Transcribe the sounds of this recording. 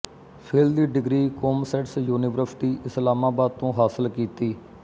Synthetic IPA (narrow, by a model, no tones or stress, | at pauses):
pʰɪld̪iːɖɪɡɾiːkoːmsɛːʈsjuːnɪʋəɾsɪ̥ʈiːʔɪslaːmaːbaːd̪̚t̪õːɦaːsəlkiːt̪iː